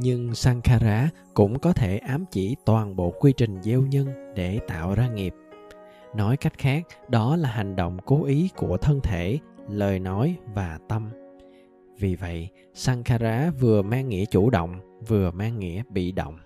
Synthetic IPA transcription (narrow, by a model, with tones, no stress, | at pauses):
ɲɨ˧ŋsaː˧ŋxaː˧zaː˨˦ | kʊ̰˧˥ŋ͡mkɔ˨˦t̪ʰe˧˩ʔaː˨˦mt͡ɕi˧˩t̪waː˨˩nɓo̰˧˨kwi˧t͡ɕï˨˩ŋ̟ze˧wɲə˧nɗe˧˩t̪a̰ː˧˨wzaː˧ŋi˨˩əp̚ | nɔ˨˦jka˦˥jk̟̚xaː˦˥k̚ɗɔ˨˦laː˨˩ɦa˨˩ŋ̟ɗo̰˧˨wŋ͡mko˨˦ʔi˨˦ku˧˩ət̪ʰə˧nt̪ʰe˧˩ləː˨˩jnɔ˨˦jvaː˨˩t̪ə˧m | vi˨˩və̰˧˨j | saː˧ŋxaː˧zaː˨˦vɨ˨˩əmaː˧ŋːḭ˧˥ət͡ɕu˧˩ɗo̰˧˨wŋ͡mvɨ˨˩əmaː˧ŋːḭ˧˥əɓḭ˧˨ɗo̰˧˨wŋ͡m